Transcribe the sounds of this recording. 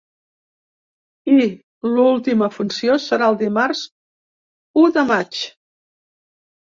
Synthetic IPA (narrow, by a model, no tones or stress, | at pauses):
i | lulˠt̪iməfunsiosəɾaəlˠd̪imaɾz | uðəmat͡ʃ